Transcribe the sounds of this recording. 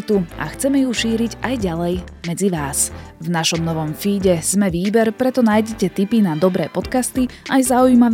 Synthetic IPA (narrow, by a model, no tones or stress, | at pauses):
t̪uʔa̰xt͡sɛmɛjuʃiːɾiɟajɟalɛjmɛd͡ziʋaːsvnaʃɔmnɔʋɔmfiːɟɛz̥mɛʋiːbɛɾpɾɛt̪ɔnaːjɟɛcɛt̪ipinad̪ɔbɾɛːpɔt̪kast̪iajzaujma